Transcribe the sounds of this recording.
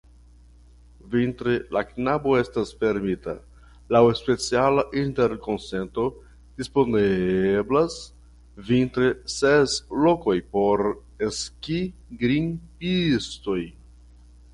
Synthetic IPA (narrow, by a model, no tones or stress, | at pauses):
vintɾelaknabo̞e̞stasfe̞ɾmita̰ | lawespe̞t͡sialaʔinte̞ɾko̞nse̞nto̞ | d̥ispo̞neblas | vintɾeseslo̞ko̞jpo̞ɾ | eskiɡɾinpisto̞j